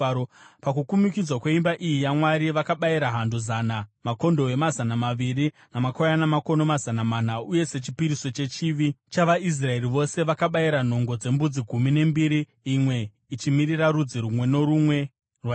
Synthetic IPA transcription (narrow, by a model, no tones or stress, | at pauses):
pakukumikid͡zwakwe̞imbaʔijijamwaɾiʋakaɓaiɾaɦandozanamako̞ndo̞e̞mazanamaʋiri | namakojanamako̞no̞mazanaman̤auje̞se̞t͡ʃi̥piɾiso̞t͡ʃe̞t͡ʃiːʋit͡ʃaʋais̬rae̞riʋo̞se̞ʋakaɓaiɾan̤o̞ŋɡo̞d͡ze̞mbud͡ziɡʱumine̞mbiɾiː | mwe̞ | it͡ʃimiriraɾud͡ziɾumwe̞no̞ɾumwe̞ | rwa